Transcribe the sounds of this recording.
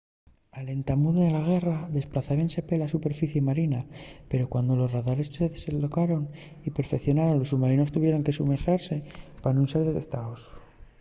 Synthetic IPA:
ale̞nt̪amuðoelaɣ̞e̞raðe̞splaθaβe̞nse̞pe̞lasupe̞ɾfiθjemaɾinape̞ɾo̞kwand̪o̞lo̞zraðaɾe̞sse̞ðesenlo̞kaɾo̞n | ipe̞ɾfe̞kθjo̞naɾo̞nlo̞suɣmaɾino̞st̪uβje̞ɾo̞ŋke̞sumeɾxaɾse̞panũnse̞ɾðe̞t̪e̞k̚t̪aos

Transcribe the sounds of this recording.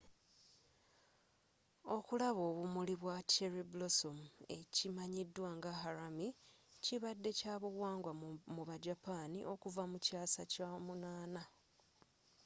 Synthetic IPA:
o̞kulaβo̞ːβumuliβwateɾiblosomue̞cimaɲidwaŋɡaɦaɾami | ciβadːe̞caːβuɣwaːŋɡwamuβaɟapaːnḭʔo̞kuvamucaːsa̰camunaːna

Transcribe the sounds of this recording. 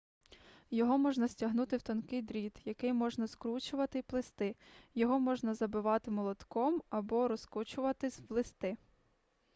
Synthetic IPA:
jɔɦɔmɔʒnɐsʲtʲɐɦnut̪ɪwt̪ɔnkɪjd̪ɾʲid̪jɐkɪjmɔʒnɐskɾut͡ʃʊʋɐt̪ɪplˠɪst̪ɪjɔɦɔmɔʒnɐzɐbɪʋɑt̪ɪmɔlˠɔt̪kɔmɐbɔɾɔskɔt͡ʃʊʋɐt̪ɪsʲʋlˠɪst̪ɪ

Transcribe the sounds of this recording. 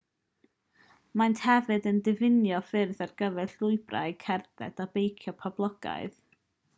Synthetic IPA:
mantʰhɛvɨdəndɨvɪnjɔfɪrðarɡəvɛɬlʊɨbra̰ɨkʰɛrðɛ̰d̥abejkʰjɔpʰablˠɔɡ̥a̰ɨð

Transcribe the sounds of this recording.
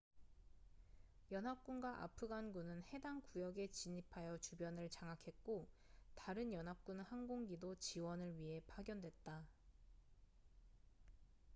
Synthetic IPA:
jʌnɦap̚k͈unɡwaʔa̰pʰɯɡanɡunɯnhe̞daŋkujʌɡe̞t͡ɕiɲipʰajʌt͡ɕubjʌnɯɭt͡ɕaŋakʰe̞t̚k͈o | taɾɯnjʌnɦap̚k͈unhanɡoŋɡidot͡ɕiwʌnɯɭɥiɦe̞paɡjʌndwe̞t̚t͈a

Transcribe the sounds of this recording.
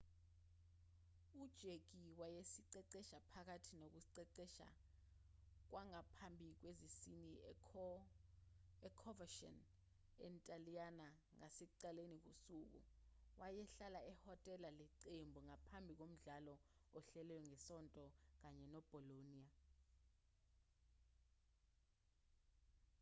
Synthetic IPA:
ud̥ʒ̥ʱeɡ̥iwajesiǀɛǀɛʃapʰak̬atʰinok̬uǀɛǀɛʃa̰ | k̬waŋapʰambʱik̬wezisini | ɛkʰɔvaʃɔ̰n | ɛ̰ntʼaliana | ŋasɛǀalenik̬usuk̬ṵwajɛɬalaɛhɔtʼɛlalɛǀembʱuŋapʰambʱik̬om̩ɮalɔɔɬɛlɛjɔŋɛsɔntʼɔk̬aɲɛnɔb̥ʱɔloniːa

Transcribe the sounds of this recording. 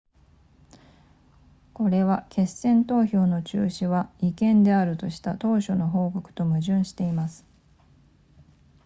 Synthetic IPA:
ko̞ɾe̞βakʰe̞sẽ̞nt̪o̞ːço̞ːno̞t͡ɕɨ̰ːɕiβaikẽ̞nd̪e̞aɾɯ̟t̪o̞ɕi̥t̪at̪o̞ːɕo̞no̞ɦo̞ːko̞kɯ̟̥t̪o̞mɯ̟ʑɨ̃ɰ̃ɕi̥t̪e̞imasɨ̥

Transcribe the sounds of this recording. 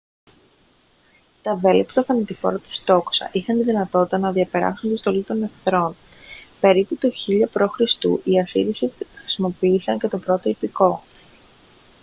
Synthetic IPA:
t̪ɐve̞lipt̪ɐfɐnit̪ifo̰ɾɐt̪u̥st̪o̞ksɐ̰ʔixɐnt̪iðinɐt̪o̞t̪it̪ɐnɐðiɐpe̞ɾɐ̰sunt̪ist̪o̞lit̪o̞ne̞fθɾo̞n | pe̞ɾiput̪oçiʎopɾo̞xɾist̪ṵʔiɐsḭɾisixɾi̥simo̞pisɐɲce̞t̪o̞pɾo̞t̪o̞ipiko̞

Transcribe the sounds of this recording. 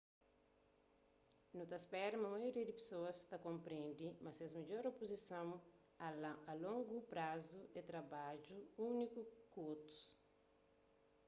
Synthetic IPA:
nut̪ɐspɛɾmɐmɐjoɾiɐd̪ipe̥soɐst̪ɐkõmpɾẽnd̪imɐsɛzmed͡ʒoɾopozisɐ̃w̃ | ɐlõŋɡupɾazuet̪ɾɐbad͡ʒuũnikukot̪u̥s

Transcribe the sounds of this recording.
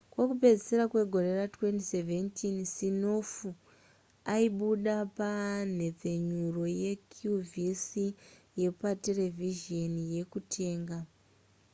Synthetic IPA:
kwo̞kupe̞d͡ziseɾakwe̞ɡʱo̞ɾe̞ratwe̞ntiseve̞ntinsinofu | aiɓuɗapan̤e̞p͡fe̞ɲuro̞je̞kʰjuvisi | je̞patele̞vʱiʒo̞nije̞kutʰe̞ːŋɡa

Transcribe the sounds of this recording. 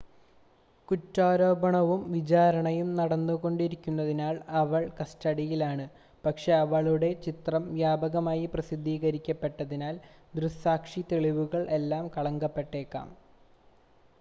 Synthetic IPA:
kutːaːɾo̞ːbɐɳɐʋumʋit͡ɕaːɾɐɳɐjumnɐɽɐnːuɣo̞ɳɖiɾikʲːunːɐðinaːɭɐʋɐɭkɐstɐɽijilaːɳɨ | pɐkʂe̞ɐʋɐɭuɽe̞t͡ɕit̪rɐmʋjaːbɐɣɐmaːjiprɐsid̪ʱːiːɣɐɾikʲːɐpːe̞ʈːɐðinaːld̪ɾusaːkʂit̪eɭiʋuɣɐɭʔe̞lːaːmkɐɭɐŋɡɐpːe̞ʈːe̞ːkːa̰ːm

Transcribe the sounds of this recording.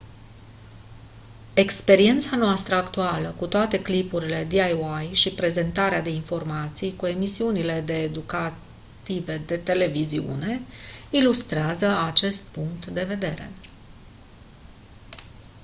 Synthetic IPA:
e̞kspe̞ɾie̞nt̪sanoast̪ɾəakt̪ualəkut̪oat̪e̞klipuɾile̞d̪iajajʃipɾe̞ze̞nt̪aɾead̪e̞info̞rmat̪sijkue̞misiunile̞d̪e̞ːd̪uka | t̪ive̞d̪e̞t̪e̞le̞viziṵne̞ilust̪ɾeazəat͡ʃe̞st̪̚puŋkt̪d̪e̞ve̞d̪e̞ɾe̞̰

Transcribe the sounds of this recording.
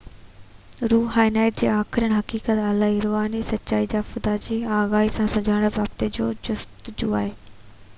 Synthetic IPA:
ɾuːɦaːɪnaːjt̪̚d͡ʑḛːaːxɪɾənɦɐkiːkət̪aːlaːɦiɾoːɦaːnisɐtːt͡ɕaːid͡ʑaːfʊd̪aːd͡ʑiːaːɣaːɦisãsɐd͡ʑʱaːɽ̃əʋaːb̚t̪ed͡ʑoːd͡ʑʊst̪d͡ʑṵːa̰ːɦeː

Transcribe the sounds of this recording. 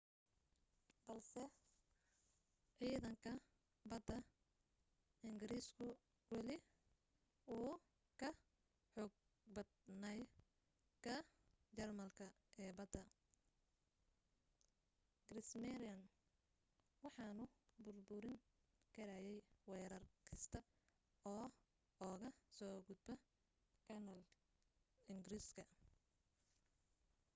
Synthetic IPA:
bɐlsɛ | ʕiːðɐŋkʰɐ | bɐd̪ɐ | ɪŋɡɪɾiːskʰʊ | wɑlɪ | uː | kʰɐ | ħɔɡ̚ | bɐd̪nɐj | kʰɐ | t͡ʃɐrmɐlkʰɐ | ʔɛːbɐd̪ɐ | ɡɾɪsmɛɾɐn | wɑħɑːnʊbʊrbʊɾɪŋ | kʰɐɾɐjɛjwɛːɾɐrkʰɐst̪ʰɐ | ɔː | ɔːɣɐsɔːɡʊd̪̚bɐ | kʰɐnɐl | ɪŋɡɾiskʰɐ

